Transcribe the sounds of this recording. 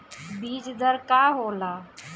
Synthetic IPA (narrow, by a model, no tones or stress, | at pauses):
biːd͡ʒd̪əɾkaːɦoːlaː